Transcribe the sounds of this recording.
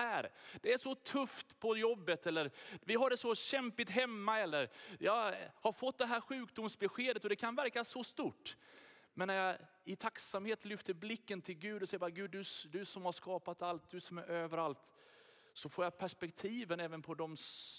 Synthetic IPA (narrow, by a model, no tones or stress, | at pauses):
æːɾd̪̥ɛæʂɔt̪ʰɵft̪pʰɔjɔbːət̪ʰɛlːəɾvɪɦaɖɛsɔɕɛmpɪt̪ɦɛmːaɛlːəɾjɑhaɾfɔt̪̚ːd̪ɛɦæːɾɧʉ̟ːkd̪ʊmsbɛɧeːd̪ət̪ɔd̪ɛkʰanvæɾkasɔst̪uːʈː | mɛnːæɾjɑ | ɪt̪ʰaksamheːt̪lʏft̪əɾblɪkːənt̪ʰɪlɡʉ̟ːd̪ɔsɛjːəbɑːɾaɡʉ̟ːd̪ɵd̪ɵsɔmhaʂkɑːpat̪alt̪̚d̪ɵsɔmæɾøːvəɾalt̪ | sɔfoːjapʰæʂpɛkt̪ʰiːvənɛːvənpʰɔd̪ɔm